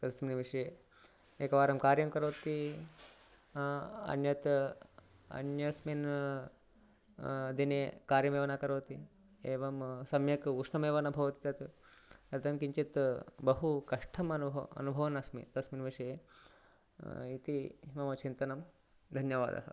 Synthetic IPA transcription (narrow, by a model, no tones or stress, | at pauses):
t̪ɐɐsminʋiʂɐje | eːkɐʋaːɾɐmkaːɾjɐmkɐɾoːt̪i | ɐ̰njɐt̪ | ɐ̰njɐsmin | d̪inekaːɾjɐmeːʋɐnakɐɾoːt̪i | eːʋɐmsɐmjɐkuʂnɐmeːʋɐnɐbʱɐʋɐt̪it̪ɐt̪ | ɐt̪ɐmkiɲt͡ʃit̪bɐɦukɐʂʈʰɐmɐnɐ̰nubʱɐʋɐnɐsmḭt̪ɐsminʋiʂɐje | it̪imɐmɐt͡ʃint̪ɐnɐm | d̪ʱɐnjɐʋa̰ːd̪ɐ̰ɦɐ